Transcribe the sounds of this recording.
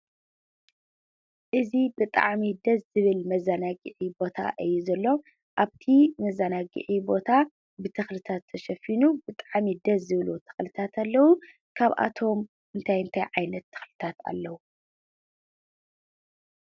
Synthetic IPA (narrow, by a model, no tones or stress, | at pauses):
ʔɨzibɨt̪ʼa̰ʕmid̪ɐzzɨβɨlmɐzːanaɡɨʕibo̞t̪ʰa̰ʔɨjːuzɐlːo̞ | ʔaβt̪ʰimɐzanaɡɨ̰ʕibo̞t̪ʰa | bɨt̪ʰɨxlɨt̪ʰat̪ʰːɐʃɐfinubɨt̪ʼaʕmid̪ɐzːɨβlot̪ʰɨ̥xlɨt̪ʰat̪ʰalːɐwu | kʰaβʔa̰t̪ʰo̞m | ʔɨnt̪ʰajɨnt̪ʰajʕajnɐt̪ʰːɨ̥xlɨt̪ʰat̪ʰa̰lːɐwu